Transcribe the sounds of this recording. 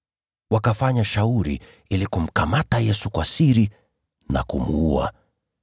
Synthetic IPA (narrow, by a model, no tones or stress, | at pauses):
wakafaɲaʃauɾḭ | ilikum̩kamatajɛsukwasiɾi | na̰kumuua̰